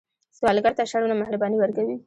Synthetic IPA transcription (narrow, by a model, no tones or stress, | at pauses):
swɑlɡaɾt̪aʃaɽunamahɾabɑniwəɾkawi